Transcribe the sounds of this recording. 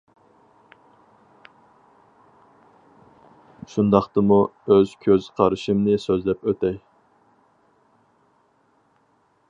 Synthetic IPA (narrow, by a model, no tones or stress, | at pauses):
ʃund̪ɑχt̪ɨmuøz̥kʲʰøz̥qʰɑɾɨʃɨmnɪsøzlɛpøt̪ɛj